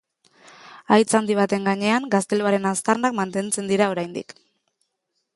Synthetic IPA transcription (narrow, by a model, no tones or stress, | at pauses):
ajt͡sand̪iβ̞at̪e̞ŋɡaɲe̞aŋɡast̪e̞luaɾe̞nast̪arnakmant̪e̞nt͡se̞nd̪iɾao̞ɾajnd̪ḭk